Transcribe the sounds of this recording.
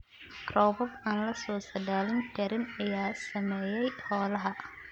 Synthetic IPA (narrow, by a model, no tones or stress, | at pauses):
krɔːbɔbaːnlɐsɔːsɐdaːlɪnt̪ʰɛɾɪnɐjaːsɐmɛːjɛjhɔːlɐɦɐ